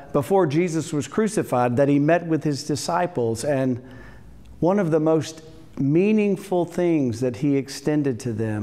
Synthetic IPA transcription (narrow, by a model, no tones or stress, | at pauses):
b̥əfɔɹd͡ʒizɨswʌz̥kʰɹ̥ʉsɨfaɪd̪̚ðɨt̚himɛt̚wɨð̥ɪzdɨsaɪpl̩ˠzɨ̃n | wʌ̃nʌvðəmoʊst | mĩnɪ̃ŋfl̩ˠθɪ̃ŋzðɨt̚hiɨkstɛ̃ndɨd̚tʰɨðɨ̃m